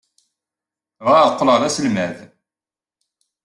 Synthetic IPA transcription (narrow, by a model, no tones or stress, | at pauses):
ʁɑqːləðæsəlmæð